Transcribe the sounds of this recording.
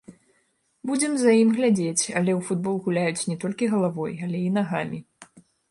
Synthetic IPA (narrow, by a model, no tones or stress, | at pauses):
bud͡zʲɛmzɐjimɣlʲad͡zʲet͡sʲɐlʲɛwfud̪̚bɔlˠɣulʲajut͡sʲnʲɛt̪ɔlʲkʲiɣɐlˠavɔjɐlʲɛinaɣamʲi